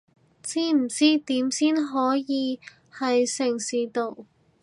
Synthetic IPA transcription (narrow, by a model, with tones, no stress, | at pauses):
t͡siː˥m̩˨˩t͡siː˥t̪iː˨˥msiː˥nɦɔː˨˥jiː˨˧ | hɐ˨jsɪ˨˩ŋsiː˨t̪o˨˧w